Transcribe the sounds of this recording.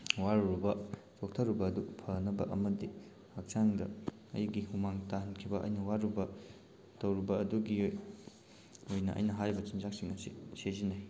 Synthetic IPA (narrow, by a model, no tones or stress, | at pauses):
waɾuɾubɐ | tok̚tʰɐɾubɐːdupʰɐnɐbɐ̰ʔɐmɐdi | hak̚t͡ʃaŋdɐ̰ | ɐ̰jɡihumaŋtaɦɐnkʰibɐʔɐ̰jnɐwaɾubɐ | tɐwɾubɐɐduɡi | ojnɐʔɐ̰jnɐɦaɾibɐt͡ʃind͡ʒak̚siŋɐsisezinaj